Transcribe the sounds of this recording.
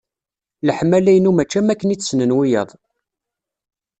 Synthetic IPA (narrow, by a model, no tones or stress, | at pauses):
ləħmælæjənumæt͡ʃːæmækːəniːsnənwijə̰ðˤ